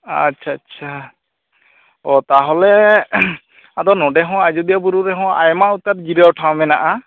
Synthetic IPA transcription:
a̰tːt͡ʃʰaːtːt͡ʃʰa | ɔt̪aɦɔlɛ | ad̪ɔnɔɖɛɦɔ̃ad͡ʒud̪ijabuɾuɾɛɦɔ̃a̰jmaut̪aɾɡiɾawʈʰaw̃mɛnaʔa

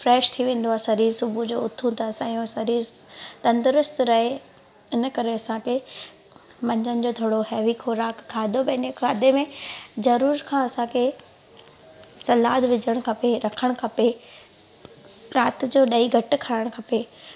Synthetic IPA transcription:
fɾɛːʃt̪ʰiʋẽːn̆d̪oaːɦesɐɾiːɾsʊbʱud͡ʑoːʊt̪ʰũt̪asãiõsɐɾiːɾ | t̪ɐ̃nd̪ɾʊst̪ɾɐɦe | ɪnə̆kɐɾeɐsãkʰe | mɐ̃ɲd͡ʑənɪ̆d͡ʑoːd̪ʱɐɽoɦɛːʋikʰoɾaːkkʰːaːɪd̪obɐɪnekʰaːd̪emẽzɐɾuːɾkʰãːɐsãkʰe | sɐlaːd̪ʋɪd͡ʑəɽ̃̆kʰɐpeɾɐkʰəɽ̃kʰɐpe | ɾaːt̪d͡ʑoːɗɐiɡʱɐʈɪ̆kʰaːɪɽ̃kʰɐpe

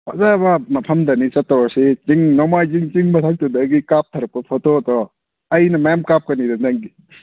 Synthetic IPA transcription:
a̰zabamɐpʰɐmd̪ɐnit͡ʃɐtːɔwaɾset͡ʃiŋnɔmajziŋt͡ʃiŋmɐt̪ʰak̚tudɐɡikap̚t̪ʰɐɾɐp̚kɐpʰotot̪ɔ | ɐjnɐmɐjamkap̚kɐnidɐnzaŋɡi

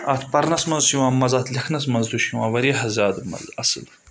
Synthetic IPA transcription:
ɐt̪ʰpɐɾnɐsmɐnzsjũwãːmɐzɐt̪ʰlʲɐkʰnɐs̬mɐnzd̪uʃjuwaːʋɐɾiɐɦɐzaːd̪ɨmɐ̰lɐsɨ̰l

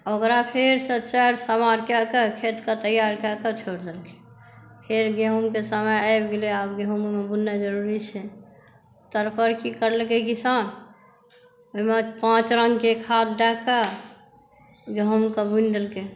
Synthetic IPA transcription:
okɾapʰeɾsət͡ʃaɾsəmaɾkakekʰet̪kat̪əjaɾkakət͡ʃʰoɾd̪elke̥ | pʰeɾɡeɦumkesəməjaɪbɡeleabɡeɦummebunːad͡ʒəɾuɾit͡ʃʰɛ | t̪əɾpəɾkikəɾlekekisan | oɦmepãt͡ʃɾəŋɡkekʰad̪̚d̪aka | ɡəɦumkəbund̪elke

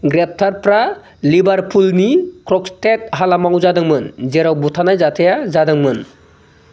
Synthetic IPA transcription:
ɡɾɛp̚tʰaɾpɾa | libaɾpʰulnikɾɔkstʰet̚ɦalamawzadɯŋmɯnzɛɾawbutʰanajzatʰejazadaŋmɯn

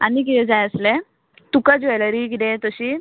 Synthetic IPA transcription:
anik̬it̪ɛ̃d͡zajəsle | t̪ukad͡zajləɾik̬it̪ẽt̪əɕiː

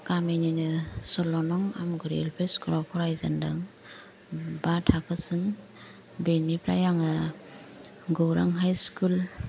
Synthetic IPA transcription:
kaminanɯsɔlɔnɔŋa̰mɡɯɾḛlpʰeskuɾɔkʰɔɾajza̰ndaŋ | batʰakʰɯsɯŋ | benipʰɾa̰jaŋa | ɡowɾa̰ŋɦajskul

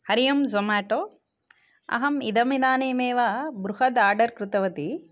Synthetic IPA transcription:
hɐɾijɐmzomaːʈoː | ɐ̰ɦɐmid̪ɐmid̪aːneːmeːʋabɾuhɐd̪aːɾɖɐɾkɾut̪ɐʋɐt̪i

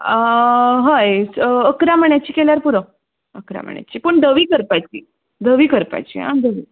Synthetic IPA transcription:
ɦəjəkɾam̤əɳjat͡ɕiːkeljaɾpuɾə | əkɾa̰m̤ə̰ɳja̰t͡ɕiːpəɳd̪əʋiːkəɾpajt͡ɕḭː | d̪əʋiːkəɾpa̰jt͡ɕḭːɦã̰d̪əʋiː

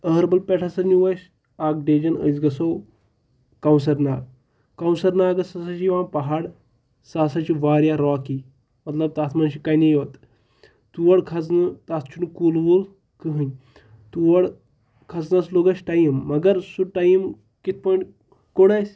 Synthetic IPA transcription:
əɾbɐlpɛʈʰasɐɾniʋəʃ | ak̚ɖed͡ʒɐnə̰jt͡sɡɐsow | kawnsɐɾna̰ːɡ | kawnsɐɾnaːɡɐsasat͡ʃiʋãːnpɐɦaɽ | sasat͡ʃiʋaːɾjaɾɔːki | mɐt̪ləb̚t̪at̪ʰmanɕikajnejot̪ | t̪uʋəɽkʰat͡s̬nɨt̪at̪ʰt͡ʃʰunukulʋul | kɨɦəɲ | t̪uʋəɽ | kʰat͡snasloːɡɐʃʈajimːɐɡɐɾsuʈajim | kit̪̚ʰpɔːjĩɳʈ | koɽajsʲ

